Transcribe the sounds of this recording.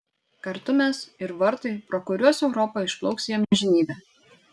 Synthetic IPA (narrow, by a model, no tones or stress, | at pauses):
kɐɾt̪ʊmʲɛsɪɾʋɐɾt̪ɐɪpɾɔkʊɾʲuɔsɛʊɾɔpɐɪʃplˠɔʊksʲjɛmʲɛʒʲɪnʲiːbʲɛ